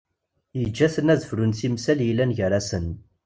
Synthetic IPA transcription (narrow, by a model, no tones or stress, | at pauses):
jəd͡ʒːæθənæzəfɾunθimsæljilːænʝəɾˤæsən